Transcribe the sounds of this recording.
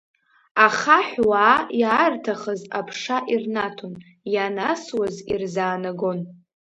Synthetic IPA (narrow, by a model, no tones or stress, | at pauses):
aχaħʷwaːjaːrtʰaχəzapʰʂaʔirnatʰon | janaswazirzaːnaɡo̞n